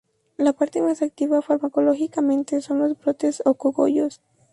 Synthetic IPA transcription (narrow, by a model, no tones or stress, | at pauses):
lapaɾt̪e̞masak̚t̪iβafaɾmako̞loxikamẽ̞nt̪eso̞nlo̞zbɾo̞t̪e̞sokoɣo̰ʝo̞s